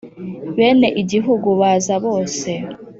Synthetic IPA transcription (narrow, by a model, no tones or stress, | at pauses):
βe̞ːne̞ʔiɟiɦuɡuβaːzaβo̞ːse̞